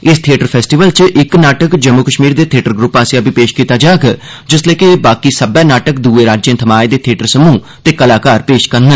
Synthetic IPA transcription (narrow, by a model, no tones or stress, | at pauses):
ɪst̪ʰieːʈəɾpʰɛːsʈiːʋəlt͡ʃʔɪknaːʈəkd͡ʒəmːukəʃmiːɾd̪eːt̪ʰieːʈəɾɡɾupːaːsiabipeːʃkiːt̪aːd͡ʒaːɡ | d͡ʒɪsleːkebaːkiːsəbɛːnaːʈək̚d̪uːeːɾaːd͡ʒjə̃nt̪ʰəmaːed̪eːt̪ʰieːʈəɾsəmũː | t̪eːkəlaːkaːɾpeːʃkəɾnə